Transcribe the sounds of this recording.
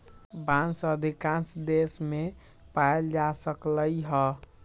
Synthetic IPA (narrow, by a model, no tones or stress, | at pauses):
bãnsəd̪ʱikãnsd̪esme | paeld͡ʒasəkləjɦə